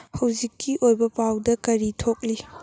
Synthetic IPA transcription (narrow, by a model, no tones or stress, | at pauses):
hɐwzikːiʔojbɐpawdɐkɐɾitʰok̚li